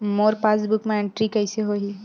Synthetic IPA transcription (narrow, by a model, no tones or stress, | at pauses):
moɾpasbukmẽeɳʈɾikəɪseɦoɦi